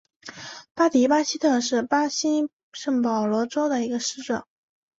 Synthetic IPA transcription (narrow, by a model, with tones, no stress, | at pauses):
pa˥t̪i˨˥pa˥ɕi˥t̪ʰɤ˥˧ʂɻ̩˥˩pa˥ɕi˥ | ʂɤ˥˩ŋpɑ˨˩ʊlwɔ˧˥ʈ͡ʂo˥ʊd̪ə˨i˧˥ɡə˧ʂɻ̩˥ʈ͡ʂɤ̰˨˩˦ŋ